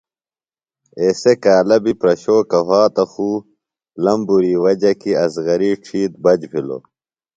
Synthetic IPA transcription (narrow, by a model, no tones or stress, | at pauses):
eːsekaːlɐbipɾɐɕoːkɐɦaːt̪ɐxuː | lɐmbuɾiːwɐd͡ʑɐkiɐsɣɐɾiʈ͡ʂʰiːt̪̚bɐd͡ʑpʰilo̰